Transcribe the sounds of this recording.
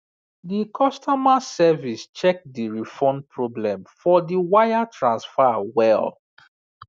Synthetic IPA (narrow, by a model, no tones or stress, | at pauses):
dikʰɔstʰɔmasɛvist͡ʃɛk̚diɹifɔ̃npʰɹɔblɛ̃mfɔdiwajatʰɹãnsfawɛl